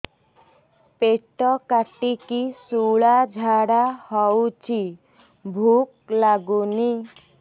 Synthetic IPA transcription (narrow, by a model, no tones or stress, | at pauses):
peʈɔkaʈikisuɭad͡ʒʱaɽahɔwt͡ʃʰi | bʱuk̚laɡuni